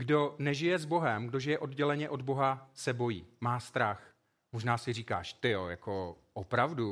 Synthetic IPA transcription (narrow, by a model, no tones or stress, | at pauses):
ɡdo̞nɛʒɪjɛzbo̞ɦɛmɡdo̞ʒɪjɛʔo̞dɟɛlɛɲɛʔo̞dbo̞ɦasɛbo̞jiːmaːst̪ɾax | moʒnaːsɪriːka̰ːʃt̪ɪjo̰ja̰ko | ʔopɾavdu